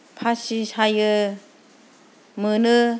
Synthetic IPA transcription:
pʰasisajɯ | mɯnɯ

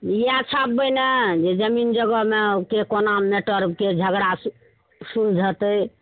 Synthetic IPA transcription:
iat͡ʃʰabbəjned͡ʒed͡ʒəmind͡ʒəɡəmeokekonameʈəɾked͡ʒʱəɡɽas | suɾd͡ʒʱət̪əj

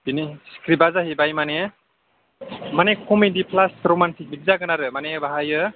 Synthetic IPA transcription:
biniskʰɾibazaɦebajmane | manekʰumedipʰlasɾomantʰik̚biɡ̚zaɡɯnaɾɯmanebaɦajɯ

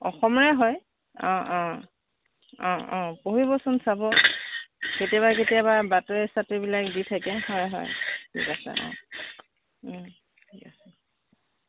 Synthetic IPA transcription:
ɔxɔmɔɹɛɦɔj | ɔ̃ʔɔ̃ | ɔ̃ɔ̃poɦibɔsɔnsabɔ | ketijaβaketijaβabatɔɛsatebilakditʰakɛhɔjɦɔ̰jtʰḭkasɛ̰ʔɔ̰̃ | tʰikasɛ

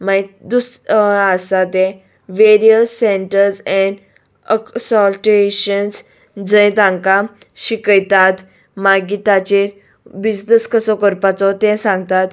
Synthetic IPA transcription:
maid̪usasat̪ɛ̃ | ʋeɾiəsːeɳʈəɾsɛ̃ɳ | əksɔlʈeɕəns | d͡zəjt̪ãŋkaɕikəjt̪at̪ | maɡit̪at͡ɕe | bid͡ʑnəskəsɔkəɾpat͡sɔt̪ɛ̃sãŋɡt̪at̪

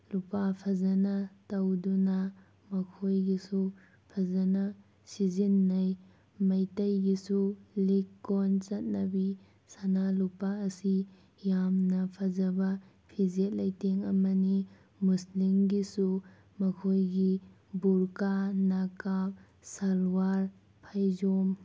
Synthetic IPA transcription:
lupapʰɐzɐnɐtɐwdunɐ | mɐkʰojɡisu | pʰɐzɐnɐ | sizinːɐj | mɐjtɐjɡisulikːont͡ʃɐt̚nɐbi | sanalupaɐsi | jamnɐpʰɐzɐbɐ | pʰizet̚lɐjteŋɐ̰mɐni | muslimɡisu | mɐkʰojɡi | buɾkanakap | salwaɾ | pʰajzom

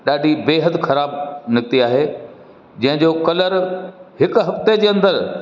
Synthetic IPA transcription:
ɗaːɖʱibeːɦət̪xɐɾaːbnɪk̚t̪iaːɦeː | d͡ʑɐ̃ɦɪ̃d͡ʑoːkɐləɾhɪkɦɐft̪ed͡ʑeːɐ̃nd̪əɾ

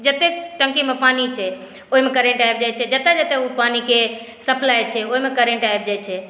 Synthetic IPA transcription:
d͡ʒət̪ːeʈə̃ŋkimepanit͡ʃʰɛ | oɦimekəɾẽɳʈaebd͡ʒajt͡ʃʰɛd͡ʒət̪ːed͡ʒət̪eupanike | səplajt͡ʃʰɛoɦimekəɾẽɳʈaeb̚d͡ʒajt͡ʃʰɛ

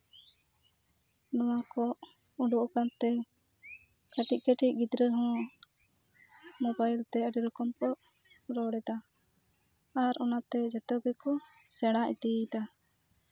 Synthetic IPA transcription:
nɔwakɔ | uɖuʔɔkant̪ɛ | kəʈic̚kəʈiʔ̚ɡid̪ɾəɦɔ̃ | mobajlt̪ɛəɖiɾɔkɔmpɔʔ | ɾɔɽɛd̪a | aɾɔnat̪ɛd͡ʒɛt̪əɡɛkɔ | sɛɽ̃aʔḭt̪id̪a

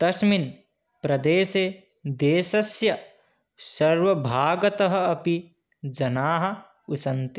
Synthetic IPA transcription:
t̪ɐsmin | pɾɐd̪eːse | d̪eːsɐsjɐ | sɐɾʋɐbʱaːɡɐt̪ɐɦɐ̆ɐpi | d͡ʒɐnaːɦɐ̆ | usɐnt̪i̥

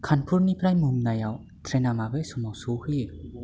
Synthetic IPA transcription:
kʰanpʰuɾnipʰɾajmumnajaw | t̪ʰɾɛnamabesumɔwsuhɯjɯ

